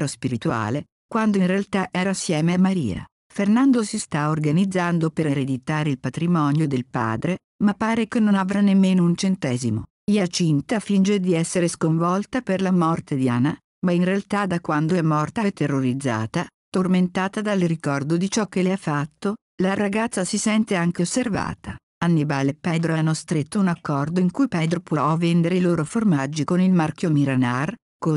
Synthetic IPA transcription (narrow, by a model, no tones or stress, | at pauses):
ɾospiɾit̪ua̰ːle | kwand̪oinrealt̪aʔɛːɾasːjɛːmeamaɾḭːa̰ | fernand̪osist̪aorɡanid̪zːand̪opeɾeɾed̪it̪aːɾeilpat̪ɾimɔnjod̪elpa̰ːd̪ɾe | mapːaːɾekenːonavɾanemːeːnount͡ʃent̪ɛːzimo | jat͡ʃint̪afind͡ʒed̪iɛsːeɾeskoɱvɔlt̪aperlamɔrt̪ed̪iana | mainrealt̪ad̪akwand̪oɛmːɔrt̪aɛt̪erːoɾid̪zːa̰ːt̪at̪orment̪aːt̪ad̪alrikɔrd̪od̪it͡ʃɔk̟ːeleafːat̪ːo | laɾaɡat̪sːasisɛnt̪eaŋk̟eosːerva̰ːt̪a | anːibaːlepɛd̪ɾoanːost̪ɾet̪ːounakːɔrd̪oiŋkujpɛd̪ɾopɔɔvːend̪eɾeiloːɾoformad͡ʒːikonilmarkjomiɾanar | ko